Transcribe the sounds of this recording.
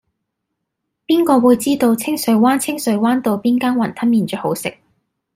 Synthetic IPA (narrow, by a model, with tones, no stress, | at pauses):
piː˥nkɔː˧wuː˨˧jt͡siː˥t̪o˧wt͡sʰɪ˥ŋsɵ˨˧˥ɥwaː˥nt͡sʰɪ˥ŋsɵ˨˥ɥwaː˥nt̪o˨˧wpiː˥nkaː˥nwɐ˨˩nt̪ʰɐ˥nmiː˨˧nt͡ʃœː˨˥ho˨˥wsɪ˨k̚